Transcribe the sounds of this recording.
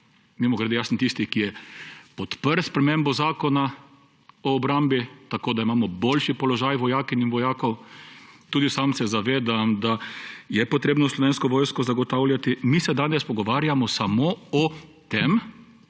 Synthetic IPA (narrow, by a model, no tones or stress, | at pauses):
mimɔɡɾed̪ejasnt̪ist̪ikijɛpɔt̪pəɾspɾɛmẽmbɔzaːkɔna | ɔːbɾambit̪akoːd̪aimaːmɔbolʃipɔlɔʒajʋɔjaːkininʋɔjaːkɔw | t̪uːd̪isamsɛzaʋeːd̪amd̪ajɛpɔt̪ɾeːbnɔslɔʋeːnskɔʋoːjskɔzaɡɔt̪awljat̪imisɛd̪aːnɛspɔɡɔʋaːɾjamɔsamoɔt̪em